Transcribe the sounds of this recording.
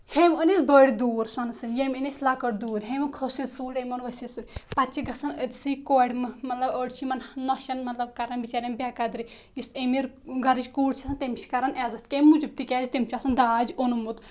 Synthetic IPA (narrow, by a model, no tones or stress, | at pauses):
hemʲonisbəɽʲd̪uːɾsɐnsɨnʲjemʲinesʲlakəʈd̪uːɾɦemikʰosit̪suːɽemʲonʋɐsʲisɨnʲpɐtt͡ʃʰiɡɐsɐnəd̪ʲsɨkoːɽʲmɨmɐt̪lɐbəːɽt͡ʃʰimɐnnoʃɐnmɐt̪lɐb̚kɐɾɐnbit͡ʃaːɾʲɐmbʲakɐd̪ɾiisemiɾɡɐɾɨd͡ʒʲkuːɽt͡ʃʰɐsɐnt̪emt͡ʃʰi̥kɐɾɐnɛːzɐt̪kemːud͡ʒub̚t̪ikʲɛːzit̪imʲt͡ʃʰuɐsɐnd̪aːd͡ʒonumut̪